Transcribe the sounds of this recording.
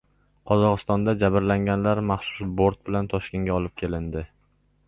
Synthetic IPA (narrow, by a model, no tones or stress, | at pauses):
qʰɒzɒʁɨst̪ɒnd̪ad͡ʒabɪɾlaŋɡʲanlaɾmaχsʊ̥sboɾt̪̚bɪlant̪ʰɒʃkʲe̞ŋɡʲaɒlˠɪp̚kʲʰe̞lɪnd̪ɪ